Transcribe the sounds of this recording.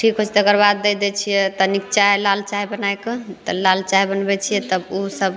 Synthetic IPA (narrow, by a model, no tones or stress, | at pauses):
ʈʰikɦot͡ʃʰt̪ːɡəɾbad̪ːɛd̪ɛt͡ʃʰijɛt̪ənikt͡ʃaelalt͡ʃaibənajkət̪ɔlalt͡ʃaibənbɛt͡ʃʰijɛt̪əbusəb